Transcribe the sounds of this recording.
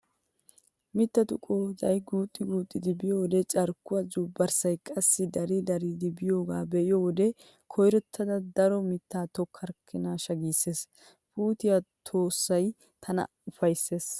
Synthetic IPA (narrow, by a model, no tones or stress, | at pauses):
mɪt̪ːɐt̪ʊkʼoːzɐjɡuːt̪ʼːɪɡuːt̪ʼːɪd̪ɪbɪjoːwd̪ɛt͡ʃʼɐɾkːʊwɐzuːbɐɾsɐjkʼɐsːɪd̪ɐɾid̪ɐɾid̪ɪbɪjo̞ːɡaːbɛʔɪjoːwɔd̪ɛ | kʰɔjɾɛt̪ʰːɐd̪ɐd̪ɐɾɔmɪt̪ːaːt̪ɔkʰːɐɾkʰːɪnaːʃɐɡiːsːe̞s | puːt̪ɪjat̪ʰo̞ːsːɐj | t̪ʰɐnɐ̰ | ʊfɐjsːe̞ːs